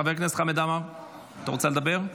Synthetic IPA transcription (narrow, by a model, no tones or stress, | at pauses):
aveʁknese̥χamed̪amaʁ | t̪aʁot͡seled̪abeʁ